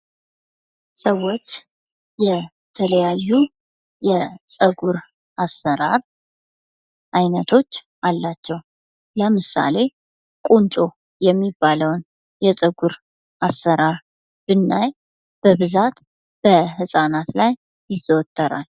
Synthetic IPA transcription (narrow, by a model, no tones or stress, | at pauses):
səwːo̞t͡ʃː | jɛ | t̪ʰələjajːu | jɛsʼəɡuɾ | ʔasːəɾaɾ | ʔajnət̪ʰo̞t͡ʃː | ʔalːat͡ʃːɛw | ləmɨsa̰le̞ | kʼunt͡ʃʼo̞ | jɛmːibːaləwn | jɛsʼəɡuɾ | ʔasːəɾaɾ | b̥ɨnːaj | b̥əβɨzat̪ | b̥əɦɨsʼanat̪lajː | ɪzəwt̪ʰʼːəɾa̰l